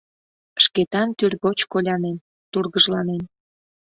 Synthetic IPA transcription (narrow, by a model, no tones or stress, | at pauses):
ʃket̪ɑnt̪yrʲɣot͡ɕkolʲɑnen | t̪urɣəʒlɑnen